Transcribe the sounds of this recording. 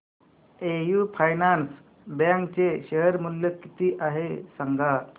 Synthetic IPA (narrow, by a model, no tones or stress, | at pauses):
ejuːpʰajnans | baŋkt͡ɕeɕəɦəɾmulːjəkit̪iːʔaɦesaŋɡʱa